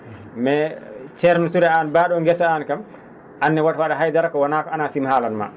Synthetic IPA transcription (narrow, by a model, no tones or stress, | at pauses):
mɛt͡ʃɛɾnutuɾɛanbaːɗɔŋɡɛsaankam | ʔanːɛwatwaɗaɦajdaɾakɔwɔnaːkɔanasimhaːlanma̰